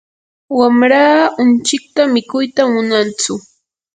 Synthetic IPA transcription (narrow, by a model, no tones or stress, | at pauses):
wamɾaːʊnt͡ʃɪk̚t̪amɪkʊjt̪amʊnant͡sʊ